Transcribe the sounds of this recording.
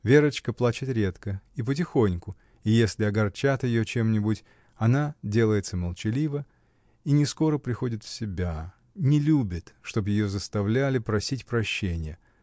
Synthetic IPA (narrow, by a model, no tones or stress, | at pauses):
vʲeɾət͡ɕkəplˠat͡ɕɪt̪ɾʲe̞t̪kəip̬ət̬ʲɪxo̞nʲkʊ | ijesʲlʲɪɐɡɐrt͡ɕat̪jɪjot͡ɕe̞mnʲɪbutʲ | ɐnadʲe̞lˠəjɪt̪səməlˠt͡ɕɪlʲivə | inʲɪsko̞ɾəpɾʲɪxo̞dʲɪt̪fsʲɪbʲa | nʲɪlʲubʲɪt̪ʂt̪o̞bjɪjo̞zəst̪ɐvlʲælʲɪpɾɐsʲitʲpɾɐɕːenʲɪjə